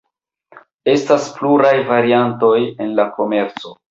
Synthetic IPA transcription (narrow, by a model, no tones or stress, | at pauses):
e̞staspluɾajvaɾianto̞je̞nlako̞me̞ɾt͡so̞